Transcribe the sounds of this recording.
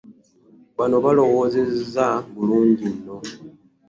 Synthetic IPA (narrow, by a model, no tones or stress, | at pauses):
βano̞βalo̞ɣo̞zezzaβuluːɲɟinːo̞